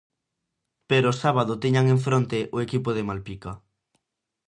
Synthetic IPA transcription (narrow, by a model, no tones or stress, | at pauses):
peɾoːsaβað̞ot̪eɲaŋeɱfɾont̪eʔoekipoð̞emalpika